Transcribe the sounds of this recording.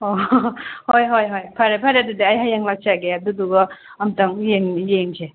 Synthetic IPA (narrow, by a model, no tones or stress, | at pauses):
ohojɦojɦojpʰaɾepʰaɾadudiajɦajaŋlak̚t͡ʃaɡeaduduɡɔ | ɐmtaŋjeŋjeŋsʰe